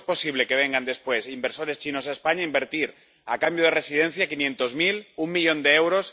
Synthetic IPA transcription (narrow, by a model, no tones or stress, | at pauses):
spo̞siβ̞le̞ke̞β̞e̞ŋɡand̪e̞spwe̞simbeɾso̞ɾe̞st͡ʃinosaespaɲaimbe̞ɾt̪iɾ | akambjoð̞ere̞siðe̞n̟θjakinje̞nt̪ozmilumːiʎõ̞nd̪eewɾo̞s